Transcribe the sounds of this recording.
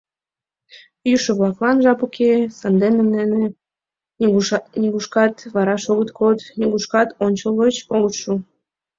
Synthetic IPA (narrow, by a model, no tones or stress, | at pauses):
jyʃəβlɑklɑnʒɑpukʰesɑnd̪enənd̪ene | nʲiɣuʃkɑt̪βɑɾɑʃoɣət̪kod̪nʲiɣuʃkɑt̪onʲt͡ɕəlˠvət͡ɕoɣət̪ʃu